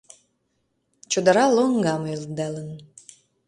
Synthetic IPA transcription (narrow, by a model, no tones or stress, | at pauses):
t͡ɕod̪ɑɾɑloŋɡɑmyld̪ælən